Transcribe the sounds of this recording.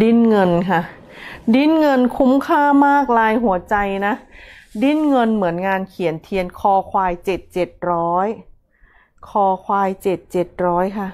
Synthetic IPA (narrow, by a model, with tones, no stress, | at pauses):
di˥˩nŋɤ˧nkʰa˥˩ | di˥˩nŋɤ˧nkʰu˦˥mkʰaː˥˩maː˥˩k̚laː˧jɦu˩˦ɐt͡ɕa˧jna˦˥di˥˩nŋɤ˧nmɯ˩˦ənŋaː˧nkʰi˨˩˦ənt̪ʰi˨˦ənkʰɔː˧kʰwaː˧jt͡ɕe˨˩t̪̚t͡ɕe˨˩t̪̚ɾɔː˦˥j | kʰɔː˧kʰwaː˧jt͡ɕe˨˩t̪̚t͡ɕe˨˩t̪̚ɾɔː˦˥jkʰa˥˩